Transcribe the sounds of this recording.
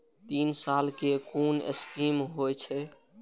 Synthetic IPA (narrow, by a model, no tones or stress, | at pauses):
t̪insalkekunḛskimɦojt͡ʃʰɛ